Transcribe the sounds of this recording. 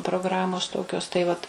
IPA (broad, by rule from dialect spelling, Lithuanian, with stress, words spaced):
proːɡˈrɑːmoːs ˈtoːkʲoːs tɐɪ ˈʋɐt